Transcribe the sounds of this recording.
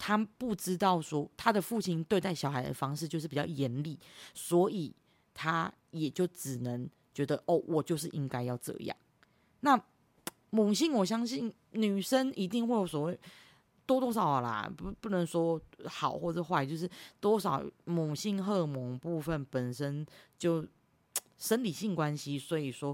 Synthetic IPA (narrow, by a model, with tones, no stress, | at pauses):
t̪ʰa˦pu˥˩ʈ͡ʂɻ̩˦˥t̪ɑ˥˩ʊʂwɔ˥t̪ʰa˦d̪ə˨fu˥˨t͡ɕʰi˥nt̪we˥˧ɪa˥˩ɪɕjɑ˨˩ʊxa˧˥ɪd̪ə̰˨fɑ˥ŋʂɻ̩˥˧t͡ɕjʊʂ̬̩˥˩pi˨˩t͡ɕɑ̰˥˩ʊjɛ˨˥nli˨˩swɔ˧˥i˨˩˦ | t̪ʰa˦ | jɛ˨˩t͡ɕjo˥˩ʊʈ͡ʂɻ̩˨˩nə˧˦ŋ | t͡ɕɥɛ˧˥d̪ə˧ʔɔ˥˩wʔɔ˨˩t͡ɕjo˥˧ʊʂ̬̩˥˩ʔi˦ŋka˥ɪjɑ˥˧ʊʈ͡ʂɤ̰˧jɑ̰˥˨˩ŋ | na˥˨ | mʊ˨˩ŋɕi˥˩ŋwɔ˨˩ɕjɑ˥ŋɕi˥˩n | ny˨˩ʂə˥ni˧˥t̪i˥˧ŋxwe˥˩ɪjo˧˥ʊswɔ˨˩we˥˩ɪ | t̪wɔ˥t̪wɔ˥ʂɑ˨˩ʊ˨˩la̰˩pu˥˩nə˧˦ŋswɔ˥xɑ˨˩˦ʊxwɔ˥˩ə˨˩ʂxwa˥˧t͡ɕjo˥˧ʊʂ̬ɻ̩˥˩t̪wɔ˦˥ʂɑ˨˩˦ʊmu˨˩ŋɕi˥˧ŋxɤ˥˧mɔ˨˥ŋpu˥˧fə˥˨npə˨˩nʂə˦nt͡ɕjo˥˩ʊ | ʂə˦˥nli˨˩ɕi˥˩ŋkwa˦˥nɕi˦˥swɔ˧˦˥i˨˩ʂwɔ˦